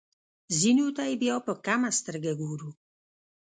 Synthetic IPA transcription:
zinut̪aibiɔpɔkamast̪əɾɡɛɡuːɾu

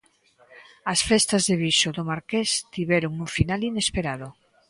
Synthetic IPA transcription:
asfest̪azðeβiʃoðomaɾkest̪iβeɾoŋuɱfinalinespeɾað̞o

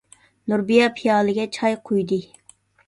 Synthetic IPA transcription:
nuɾbijɑpʰijɑːlˠɨɡʲɛt͡ʃʰɑjqʰujd̪ɨ

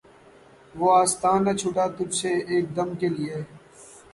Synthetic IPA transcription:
ʋoːaːst̪aːnːat͡ʃʰʊʈaːt̪ʊd͡ʒseːeːk̚d̪əmkeːlɪeː

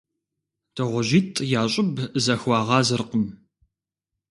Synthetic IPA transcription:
d̥ɨʁʷʊʑiːtʼjaːɕʼɪbzɐxʷɑːʁɑːzɨrqəm

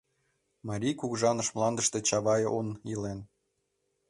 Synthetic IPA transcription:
mɑɾʲijkuɣʒɑnɤ̆ʃmlˠɑnd̪əʃt̪e̽t͡ɕɑβɑjonilen

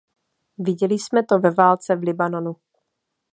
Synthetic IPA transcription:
vɪɟɛlɪsmɛt̪o̞vɛvaːlt͡sɛvlɪbanonu

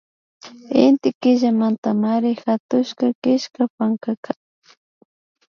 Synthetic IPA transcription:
ɪ̰nt̪ɪkɪʒamant̪amaɾɪxat̪ʊʃkakɪʃkapaŋkaka

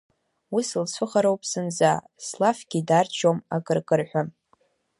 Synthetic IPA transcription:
usɨlsʷʰɨχaɾowpʼsɨnd͡za | slafɡʲidart͡ʃʼʰomakʼɨrkʼɨrħʷᶣa

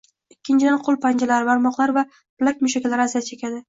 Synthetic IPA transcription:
ɪkʲʰːɪnt͡ʃʰɪd̪anqʰolˠpʰand͡ʒalaɾɪbaɾmɒqlˠaɾva | plakʲmʊʃakʲlaɾɪazijat̪t͡ʃʰekʲʰad̪ɪ

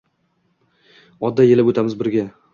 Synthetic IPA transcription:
ɒd̪ːaje̞lɪpɵt̪ʰamɪzbɪɾɡʲa

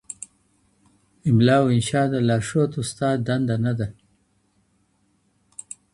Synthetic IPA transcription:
ɪmlɑːwɪnʃɑːd̪əlɑːʂot̪ust̪ɑːd̪̚d̪and̪anad̪a

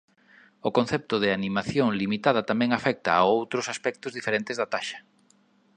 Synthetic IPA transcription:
ʊkonθɛp̚t̪ʊðɪanimaθjoŋlimit̪að̞ɐt̪amɛ̃ŋafɛk̚t̪a̰aowt̪ɾʊsaspɛk̚t̪ʊzðifeɾẽnt̪ɪzðat̪aʃɐ̥

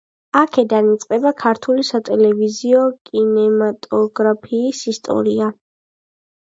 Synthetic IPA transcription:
akʰɛd̪anit̪sʼqʼɛbakʰaɾt̪ʰulisat̪ʼɛlɛviziɔkʼinɛmat̪ʼɔɡɾapʰiːsist̪ʼɔ̰ɾia

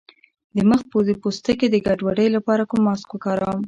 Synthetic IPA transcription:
d̪əməx̚pozepost̪əked̪əɡaɖwaɖəjlapɑɾakʊmːɑskokɑɾawm

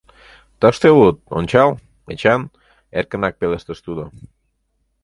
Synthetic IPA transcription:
t̪əʃt̪elut̪̚o̰nʲt͡ɕɑl | et͡ɕan | eɾkənɑk̚peleʃt̪əʃt̪ud̪o

